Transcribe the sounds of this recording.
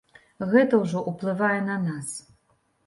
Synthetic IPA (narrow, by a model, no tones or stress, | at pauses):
ɣɛt̪ɐwʐɔʔuplˠɨvajɛnɐnas